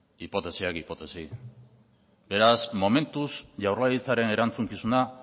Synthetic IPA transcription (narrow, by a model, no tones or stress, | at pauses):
ipo̞t̪e̞siakipo̞t̪e̞si | be̞ɾasmo̞me̞nt̪usʝawrlajit͡saɾe̞ne̞ɾant͡suŋkisuna